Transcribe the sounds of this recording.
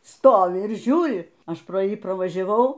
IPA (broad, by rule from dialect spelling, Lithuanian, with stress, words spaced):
ˈstoːʋʲɪ ɪr ˈʒʲuːrʲɪ ˈɐʃ proː ˈjiː prɐʋɐʒʲɛˈʋɐʊ